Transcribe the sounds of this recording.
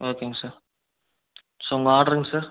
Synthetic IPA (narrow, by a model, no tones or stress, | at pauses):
oːkːeːŋɡɐsaːɾ | soʊŋɡɐaːɽɾɯːŋɡɐsaːɾ